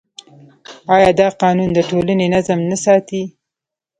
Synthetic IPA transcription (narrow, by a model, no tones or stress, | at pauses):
ɑjɑd̪ɑqɑnund̪əʈolanenazəmnasɑt̪i